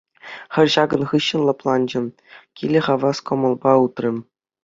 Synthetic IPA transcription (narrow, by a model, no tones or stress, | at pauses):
χʲɘ̆rʲʑɑɡɤ̆nχɯɕːɤ̆nlˠɤ̆plˠɑnd͡ʑɘ̆m | kʲilʲɘ̆χɑʋɑskŏmɤ̆lˠbɑut̪rʲɘ̆m